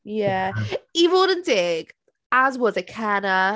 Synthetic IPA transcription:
jæivɔnə̃nd̥ɪɡ̥ | əzwʌzɨkʰanə

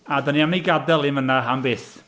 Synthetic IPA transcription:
adəniamniɡadɛlˠɪnvənaɦambɪːs

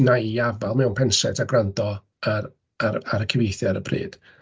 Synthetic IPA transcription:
najiavalˠmɛwnpʰɛnsɛdʰaɡrandɔ | a | aaɾəkʰɪvejθjaɾəpʰrḭːd̥

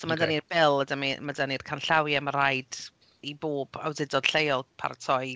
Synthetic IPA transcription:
sɔmadanirbɛlˠədamimadanirkʰanɬawjamaɾajd | iboːba̰wdɪdɔd̥ɬejɔlˠpʰa̰ɾtʰɔj

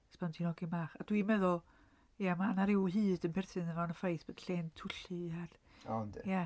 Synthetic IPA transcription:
spʰantʰinɔɡimaːχad̥wimɛðʊlˠ | jamanaɾɪwɦɨːdənpʰɛrθɨnənanəfajθb̥od̥ɬeːntʰʊɬiar | andja

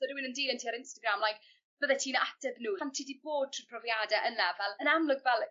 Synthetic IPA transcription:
sɔdwinəndiːlˠəntʰiːaɾɪnstəɡramlˠajk | b̥əðɛtʰiːnaatɛðnuːantʰidiboːd̚tʰupʰrɔvjaːdɛʔənlavɛlˠənamlˠʊɡvɛlˠ

